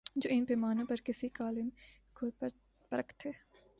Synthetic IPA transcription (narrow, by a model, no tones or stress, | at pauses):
d͡ʒoːʔɪnpeːmaːnõpɐɾkɪsikaːlɪmko | pɐɾəkʰt̪ʰeː